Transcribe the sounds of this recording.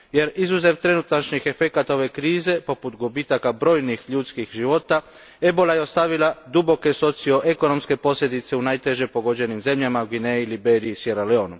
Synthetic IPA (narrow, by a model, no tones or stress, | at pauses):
je̞ɾizuze̞ʋt̪ɾe̞nut̪at͡ʃnixe̞fe̞kat̪ao̞ʋe̞kɾiːze̞po̞put̪ɡobiːt̪akabɾo̞ːjnixʎut̪skixʒiʋo̞t̪a | e̞bo̞lajeo̞st̪aʋilad̪ubo̞keso̞t̪sio̞ʔe̞ko̞no̞mske̞po̞sʎʲe̞d̪it̪se̞unaːjt̪e̞ʒe̞po̞ɡo̞d͡ʑe̞nimze̞mʎamauɡineilibeɾiːsjeɾaleo̞ːnu